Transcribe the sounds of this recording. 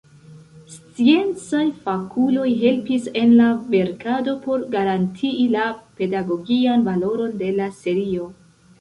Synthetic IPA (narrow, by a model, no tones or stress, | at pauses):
st͡sie̞nt͡sajfakʰulo̞jɦe̞lpise̞nlave̞ɾkado̞po̞ɾɡaɾantʰiːlape̞daɡo̞ɡianvalo̞ɾo̞nde̞lase̞ɾio̞